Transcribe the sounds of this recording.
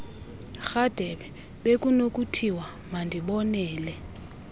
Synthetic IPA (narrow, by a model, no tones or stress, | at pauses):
xad̥ʱɛɓɛ | ɓek̬ʼunok̬ʼutʰiwa | mandʱiɓɔnɛːlɛ